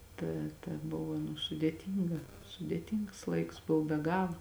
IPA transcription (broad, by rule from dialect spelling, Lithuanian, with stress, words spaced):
ˈtɐ tɐ ˈboːʋɐ nʊ sʊdʲeːˈtʲiːŋɡɐ sʊdʲeːˈtʲiːŋks ˈlˠɐɪks ˈboːw bʲɛ ˈɡɑːlˠɐ